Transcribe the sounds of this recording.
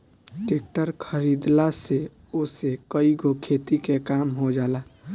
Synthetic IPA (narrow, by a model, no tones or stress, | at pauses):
ʈeːk̚ʈəɾkʰəɾid̪lase | osekəiɡokʰet̪ikekaːmɦod͡ʒaːla